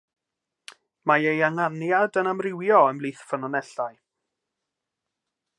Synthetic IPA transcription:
maejaŋanjadənamrɪwjɔəmlˠiːθfənɔnɛɬaj

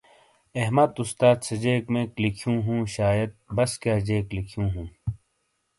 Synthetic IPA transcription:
eɦmɐd̪ust̪aːt̪sɐd͡ʑeːkmẽːklikʰjũːɦũːɕaːjɐd̪̚bɐskjaːd͡ʑeːklikʰjũːɦũː

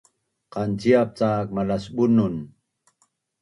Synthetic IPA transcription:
qant͡siap̚t͡saːk̚malasbunun

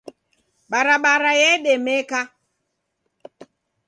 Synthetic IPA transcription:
ɓaɾaɓaɾajeɗemeka

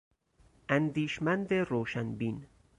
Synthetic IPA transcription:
ʔænd̪iːʃmænd̪eɾoːʃænbiːn

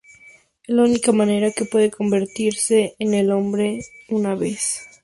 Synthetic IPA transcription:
ezlaunikamãne̞ɾake̞pwe̞ðe̞ko̞mbe̞ɾt̪iɾse̞ːnelo̞mbɾe̞unaβe̞s

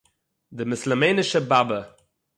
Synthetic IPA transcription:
d̪ɪmɪsləmeɪnɪʃəbabə

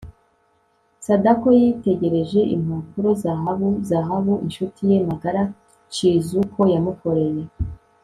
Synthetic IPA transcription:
sadako̞jite̞ɟe̞ɾe̞ʒe̞ʔḭm̥apuɾo̞zaɦaβuzaɦaβuinʃutije̞maɡaɾa | t͡ʃizukʰo̞jamuko̞ɾe̞je̞

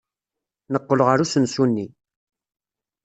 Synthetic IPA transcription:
nəqːəlʁaɾusənsunːi

